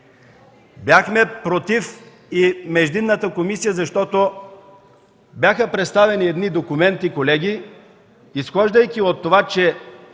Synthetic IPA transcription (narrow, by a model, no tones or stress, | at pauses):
bjaxmɛpɾot̪if | imɛʒd̪inːət̪əkomisijəzɐʃt̪ɔt̪o | bjaxəpɾɛt̪st̪avɛniɛd̪nid̪okumɛnt̪ikolɛɡʲi | isxɔʒd̪əjkʲiot̪ːovat͡ʃɛ